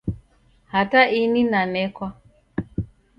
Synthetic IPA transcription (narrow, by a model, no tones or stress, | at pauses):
hataʔininanɛkwa